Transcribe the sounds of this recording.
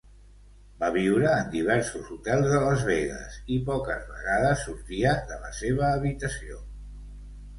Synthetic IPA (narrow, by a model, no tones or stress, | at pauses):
baβiwɾəːnd̪iβ̞ɛɾsuzut̪ɛlˠzðələzβeɣə̰sipɔkə̰zβə̰ɣaðəsːuɾt̪iəðələ̰seβəːβit̪əsio